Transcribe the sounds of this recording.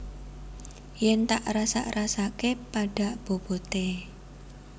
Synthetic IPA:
jɛnt̪aʔrasa̰ʔɾasakepaɖ̥a̤ʔb̥o̤b̥o̤t̪e

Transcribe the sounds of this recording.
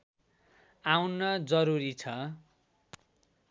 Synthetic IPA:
awnʌd͡zʌɾuɾit͡sʰʌ

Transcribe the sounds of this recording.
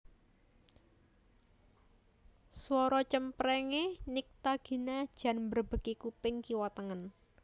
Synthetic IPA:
swɔɾɔt͡ʃəmpɾɛŋenik̚t̪aɡ̥i̤nḁʒ̥ä̤nmbərb̥ə̤kikupɪŋkiwat̪əŋən

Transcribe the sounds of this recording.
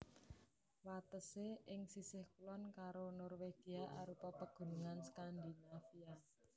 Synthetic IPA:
wat̪əseʔɪŋsisɪhkulɔnkaɾonɔrweɡ̥iaʔa̰ɾupɔpəɡ̥ṳnuŋanskand̪inafia

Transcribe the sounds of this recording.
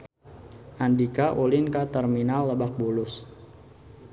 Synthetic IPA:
ʔandikaʔolɪnkat̪ərminalːəbak̚bulʊs

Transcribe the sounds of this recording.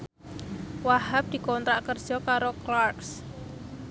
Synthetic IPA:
waɦap̚d̪̥i̤kɔnt̪ɾaʔkərd̥ʒ̥ɔ̤kaɾoklarks

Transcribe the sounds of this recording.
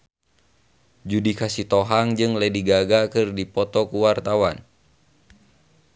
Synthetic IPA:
d͡ʒudikasit̪ɔɦaŋd͡ʒɨŋlɛdiɡaɡakɨrdipɔt̪ɔkuwart̪awan

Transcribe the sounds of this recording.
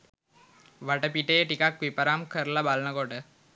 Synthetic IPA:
ʋɐʈːɐpiʈːejʈikaːkʋipːɐɾaːmkʰɐɾlɐbaːlɐnɐkoːʈɐ

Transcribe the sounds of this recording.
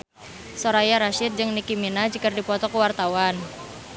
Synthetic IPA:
soɾajaɾaʃɪt̪̚d͡ʒɨŋnikiminad͡ʒəkərdipɔt̪ɔkəwart̪awan

